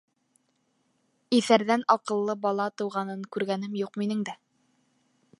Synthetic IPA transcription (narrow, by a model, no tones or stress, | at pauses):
iθæɾðænɑqɤ̆lˠːɤbɑlˠɑt̪ɤ̆wʁɑnɤŋkʉɾɡænɘmjuqminɘŋd̪æ